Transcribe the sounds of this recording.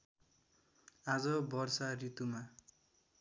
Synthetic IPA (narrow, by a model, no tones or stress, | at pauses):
ad͡zʌbʌrsarit̪uma